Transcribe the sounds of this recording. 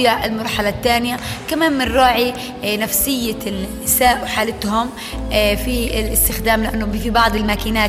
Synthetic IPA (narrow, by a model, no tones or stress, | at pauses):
jaʕɪlmɑɾˤħalat̪ːaːnjakamaːnmɪnɾɑːʕi | nafsɪjːal | ɪsaːʔwħaːlɪt̪hʊm | fiɪlʔɪst̪ɪxd̪aːmlɪʔanːʊfibɑʕd̪ˤɪlmaːkiːnaː